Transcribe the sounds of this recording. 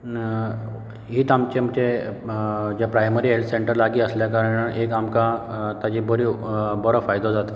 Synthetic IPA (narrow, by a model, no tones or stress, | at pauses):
ɦiːt̪amt͡ɕemt͡ɕe | d͡ʑapɾajməɾiːɦelʈseɳʈəɾlaɡiːəsljakaɾəɳəɳekamkat̪ad͡ʑibɔɾibɔɽɔfajd̪od͡zat̪ə